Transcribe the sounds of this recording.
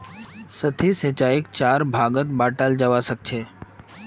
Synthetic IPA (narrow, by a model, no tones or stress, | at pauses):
sət̪ʰisət͡ʃaːɪkt͡ʃaːɾbʱaːɡət̪̚baːʈaːld͡ʒəʋasək̚t͡ʃʰeː